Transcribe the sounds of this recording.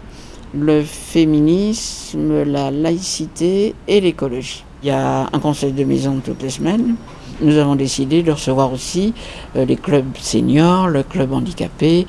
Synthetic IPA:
ləfeminisməlalaisit̪eːlekɔlɔʒi̥ | ljaɛ̰̃kɔ̃sɛjd̪əmḛzɔ̃t̪ṵt̪lesəmɛn | nuzavɔ̃d̪esid̪ed̪əʁəsəvwaʁosi | leklœbsḛɲjɔʁləklœbɑ̃d̪ikʲa̰pe

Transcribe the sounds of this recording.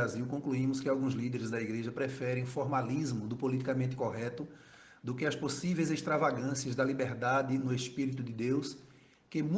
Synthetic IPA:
aziwkõkluĩmʊskɪawɡũzlid̪eɾɪzd̪ɐiɡɾeʒɐpɾɛfɛɾẽj̃fɔɾmalizmʊd̪ʊpolit̪ikamẽnt̪ɪ̥koɦɛt̪ʊ | d̪ʊkɪɐsposivejzeʃt̪ɾavaɡɐ̃siɐzd̪ɐlibɛɾd̪ad̪ɪnʊespiɾit̪ʊd̪ɪd̪ews | kɪmũ

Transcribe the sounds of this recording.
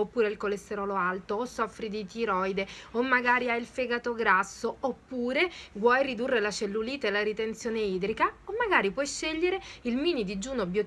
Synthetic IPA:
opːuːɾeilkolest̪eɾɔːloalt̪oːsːɔfːɾid̪it̪iɾɔjd̪eomːaɡaːɾiailfeɡat̪oɡɾasːoopːuːɾevwɔjrid̪urːelat͡ʃelːuliːt̪aelaɾit̪ent̪sjoːneiːd̪ɾikaomːaɡaːɾipwɔjʃːeʎːeɾeilmiːnid̪id͡ʒuːnobjo

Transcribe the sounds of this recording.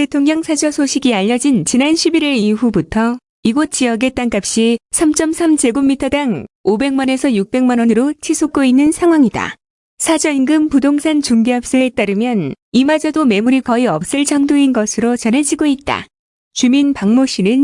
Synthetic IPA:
te̞tʰoŋɲʌŋsʰad͡ʑʌsʰoɕʰiɡiaʎːʌd͡ʑint͡ɕinanɕʰibiɾiɾiɸubutʰʌ | iɡot̚t͡ɕ͈iʌɡe̞t͈aŋk͈ap̚ɕ͈isʰamt͡ɕ͈ʌmsʰamd͡ʑe̞ɡomːitʰʌdaŋobe̞ŋmʌne̞sʰʌjuk̚p͈e̞ŋmanwʌnɯɾot͡ɕʰisʰok̚k͈oinːɯnsʰaŋɦwaŋida̰ | sʰad͡ʑʌinɡɯmpudoŋsʰant͡ɕuŋɡeap̚s͈eet͈aɾɯmjʌnimad͡ʑadome̞muɾikʌiʌp̚s͈ɯɭt͡ɕaŋdoinɡʌsʰɯɾot͡ɕʌne̞d͡ʑiɡoit̚t͈a̰ | t͡ɕuminpaŋmoɕ͈inɯn

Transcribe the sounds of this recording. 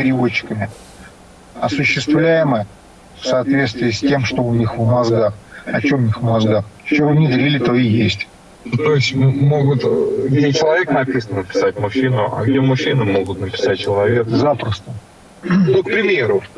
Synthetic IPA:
pʲɪɾʲɪvo̞t͡ɕːɪ̥kəmʲɪ | ɐsʊɕːɪst̪vlʲæjɪməjə | fsɐːt̪vʲe̞t̪st̪vʲɪːsʲtʲe̞mʂt̪o̞ʊnʲixvmɐzɡaxɐt͡ɕo̞mʊnʲixvmɐzɡaxt͡ɕɪvonʲid̪əɾʲilʲɪt̪oijesʲtʲ | t̪o̞ɪsʲtʲmoɡʊt̪ɡdʲet͡ɕɪlˠɐvʲe̞knɐpʲisənənəpʲɪ̥satʲmʊɕinʊʔa̰ɡdʲemːʊɕːinəmo̞ɡʊt̪nəpʲɪ̥sat̚t͡ɕɪlˠɐvʲekzapɾəst̪ə | nok̚pɾʲɪmʲe̞ɾʊ

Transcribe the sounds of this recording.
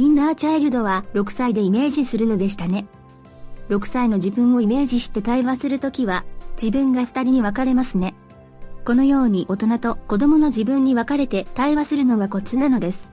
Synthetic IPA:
mʲĩnːat͡ɕaiɾɯd̪o̞βaɾo̞kɯ̟̥said̪e̞ime̞ːʑisɨɾɯ̟no̞d̪e̞ɕi̥t̪ane̞ | ɾo̞kɯ̟̥saino̞d͡ʑibɯ̟̃ɰ̃o̞ime̞ːʑiɕi̥t̪e̞t̪aiβasɨɾɯ̟t̪o̞kʲiβad͡ʑibɯ̟̃ŋɡaɸɯ̥t̪aɾʲiɲ̟iβ̞akaɾe̞masɨne̞ | ko̞no̞jo̞ːɲ̟iʔo̞t̪o̞nat̪o̞ko̞d̪o̞mo̞no̞d͡ʑibɯ̟̃ɲ̟ːiβakaɾe̞t̪e̞t̪aiβasɨɾɯ̟no̞ɡako̞t͡sɨnano̞d̪e̞sɨ̥

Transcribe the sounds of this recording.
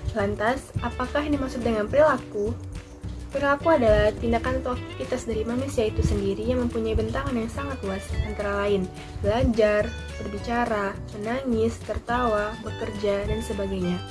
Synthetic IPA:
lant̪asʔapakaɦinimasʊk̚dəŋanpəɾilaku | pəɾilakuadalaht̪indakant̪ɔkkit̪asdaɾimanusiait̪usəndiɾijaŋməmpuɲaibənt̪aŋanjaŋsaŋat̪luasant̪aɾalaɪn | bəlad͡ʒar | b̥ərbit͡ʃaɾamənaŋɪst̪ərt̪awabəkərd͡ʒadansəbaɡajɲa

